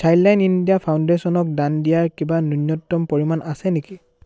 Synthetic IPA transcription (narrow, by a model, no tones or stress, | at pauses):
sʰajllajnindijapʰawndesɔnɔk̚dandijaɹkibanunjɔtːɔmpoɹimanʔasɛneki